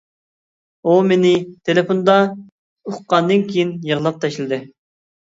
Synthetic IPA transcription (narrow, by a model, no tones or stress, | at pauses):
omenɪt̪ʰelepond̪ɑ | oχqɑnd̪ɨnkʲʰijinjəʁlˠɑp̚t̪ʰɛʃlɨd̪ɨ